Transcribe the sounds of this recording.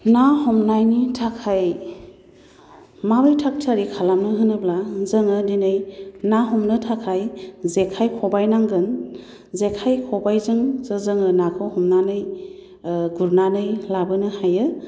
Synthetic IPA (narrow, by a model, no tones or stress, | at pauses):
nahɔmnajnitʰakʰaj | mabɯjtʰak̚tʰaɾikʰalamnɯɦɯnɯblazəŋɯdinɯjnaɦɔmnɯtʰakʰajzekʰajkʰɔbajnaŋɡɯn | zekʰajkʰɔbajzɯŋzəzɯŋɯnakʰɯwhɔmnanɯj | ɡuɾnanɯjlabɯnɯhajɯ